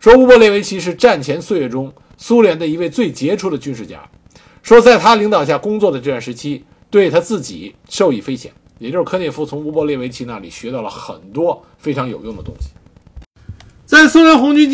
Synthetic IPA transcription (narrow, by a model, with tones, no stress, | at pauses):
ʂwɔ˥u˥pwɔ˥˧ljɛ˥˩we˧˥ɪt͡ɕʰi˧˥ʂ̬ɻ̩˥˧ʈ͡ʂa˥˩nt͡ɕʰjɛ˧˥nsu˥˧jɛ˥˩ʈ͡ʂʊ˥ŋ | su˥ljɛ˧˥nd̪ə˧i˧˥we˥˧ɪt͡swe˥˩ɪt͡ɕjɛ˧˥ʈ͡ʂʰu˧˥d̪ə˨t͡ɕy˥nʂɻ̩˥˩t͡ɕja̰˥ | ʂwɔ˥t͡sa˥˩ɪt̪ʰa˥li˧˥ŋt̪ɑ˨˩ʊɕ̬ja˥˩kʊ˥ŋt͡swɔ˥˩d̪ə˩ʈ͡ʂɤ˥˧wa˥˩nʂɻ̩˧˥t͡ɕʰi˥ | t̪we˥˩ɪt̪ʰa˥t͡sɹ̩˥˩t͡ɕi˨˩˦ | ʂo˥˧ʊi˥˩fe˥ɪɕjɛ̰˨˩˦njɛ˨˩t͡ɕjo˥˧ʂ̩˥˧kʰɤ˥njɛ˥˩fu˥˩t͡sʰʊ˧˥ŋu˧˥pwɔ˥˧ljɛ˥˩we˧˥ɪt͡ɕʰi˧˥na˥˩li˨˩ɕɥɛ˧˥t̪ɑ˥˩ʊlə˩xə̰˨˩nt̪wɔ˥ | fe˥ɪʈ͡ʂʰɑ˧˥ŋjo˨˩ʊjʊ˥˩ŋd̪ə˩t̪ʊ̰˥ŋɕi̥˨˩ | t͡sa˥˩ɪsu˥ljɛ˧˥nxʊ˧˥ŋt͡ɕy˥n